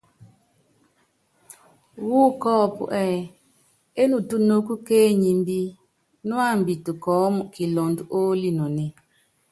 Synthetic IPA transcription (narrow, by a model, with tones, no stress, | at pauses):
wuː˦kɔː˦˨pṵ˨ʔɛ˦˨ | e˦nu˨tu˦no˦ku˦keː˦ɲi˨mbi˦ | nu˦a˦˨m˨bi˨tu˨kɔː˨˦mu˨ki˨lɔ˨ndu˦ʔo˦li˦nɔ˨ne˨